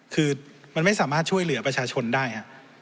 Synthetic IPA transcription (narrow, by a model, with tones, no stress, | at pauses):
kʰɯː˧ | ma˧nma˥˩jsaː˩˦maː˥˩t̪̚t͡ɕʰu˥˩əjlɯ˨˩˦ɐpɾa˧t͡ɕʰaː˧t͡ɕʰo˧ndaː˥˩jkʰa˦˥ʔ